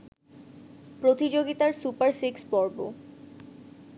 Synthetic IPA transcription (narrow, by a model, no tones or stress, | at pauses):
pɾot̪id͡ʑoɡit̪aɾsupaɾsikspɔɾbo̰